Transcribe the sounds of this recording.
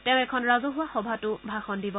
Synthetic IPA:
teʊ̃ɛkʰɔnɹazɔɦʊwaxɔbʱatʊbʱaxɔndibɔ

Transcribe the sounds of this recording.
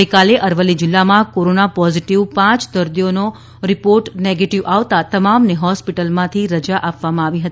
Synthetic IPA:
əjkaleʔəɾʋəlːid͡ʒɪlːamãkoɾonapɔziʈiʋpãt͡ʃd̪əɾd̪ijono | ɾɪpoɾʈneɡeʈiʋaʋt̪at̪əmamneɦɔspiʈəlmãt̪ʰiɾəd͡ʒaʔapʋamãaʋiɦət̪i

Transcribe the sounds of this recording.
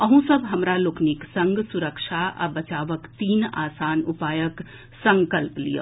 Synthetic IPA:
ɐɦũsɐbɦɐmɾaloknɪksɐ̃ŋɡsʊɾəkʃʰaʔɐ̰bɐt͡ʃaːʋəkt̪iːna̰ːsaːnʊpaːjək | sɐ̃ŋkəlplḭjə̰

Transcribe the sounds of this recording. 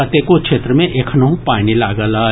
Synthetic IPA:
ɐt̪ekokʃʰeːt̪ɾəmẽʔeːkʰnɐɦũpaːnilaːɡəlaː

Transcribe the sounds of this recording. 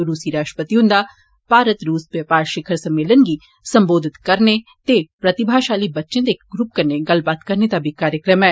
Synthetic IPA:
ɾuːsiɾaːʃʈəpət̪iʊ̃nd̪a | baːɾət̪ɾuːsbjɐpaːɾʃɪkʰəɾsɐ̃mːeːlənɡi | sɐ̃mboːd̪ʱɪt̪kɐɾnet̪epɾɐt̪ɪbʱaːʃaːlibɐtːʃẽd̪ekɡɾʊp̚kɐɾneɡɐlbaːt̪kɐɾnet̪abʱikaːɾjəkɾəmɦɛ̃ː

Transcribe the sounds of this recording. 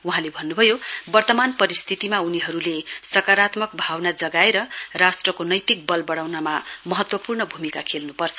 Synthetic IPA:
uɦãlebʱʌnːubʱʌjobʌrt̪ʌmanpʌɾist̪ʰit̪imauniɦʌɾulesʌkaɾat̪mʌk̚bʱawnad͡zʌɡaeɾʌrasʈrʌkonʌjt̪ik̚bʌlbʌɽawnamamʌɦʌt̪wʌpurnʌbʱumikakʰelnupʌrt͡sʰʌ

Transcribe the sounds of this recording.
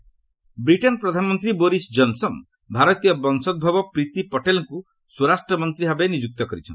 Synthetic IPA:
bɾiʈenɔpɾɔd̪ʱanɔmɔnt̪ɾiboɾisd͡ʒɔnsɔn | bʱaɾɔt̪ijɔbɔnsɔd̪̚bʱɔbɔpɾit̪ipɔʈelɔŋku | suɾasʈɾɔmɔnt̪ɾiɦabenid͡ʒuk̚t̪ɔkɔɾit͡ʃʰɔ̰nt̪i

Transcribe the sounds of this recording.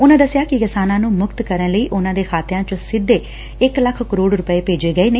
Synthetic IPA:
ʊnãːd̪əsjaːkɪkɪsaːnãːnũːmʊkt̪kəɾənləiːʔʊnãːd̪eːxʰaːt̪ɪjãːt͡ʃõsɪd̪ːeː | ɪkləkʰkəɾoːɽɾʊpəeːpeːd͡ʒeːɡəeːneː

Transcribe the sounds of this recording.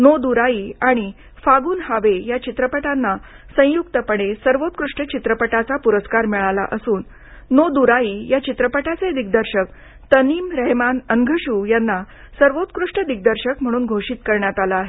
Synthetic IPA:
nod̪uɾaiːaɽ̃i | faɡuːnhaʋejat͡ɕit̪ɾəpəʈanːa | sə̃juk̚t̪əpəɽ̃esəɾʋot̪̚kɾuʂʈət͡ɕit̪ɾəpəʈat͡sapuɾəskaɾmiɭala̰ʔəsuːnː | od̪uɾaiːjat͡ɕit̪ɾəpəʈat͡sed̪ik̚d̪əɾɕək | t̪əniːmɾɛɦmanənɡʱəɕuːjanːa | səɾʋot̪kɾuʂʈəd̪ik̚d̪əɾɕəkm̤əɽ̃uːnɡʱoʂiːt̪kəɾɳjat̪alaːɦe

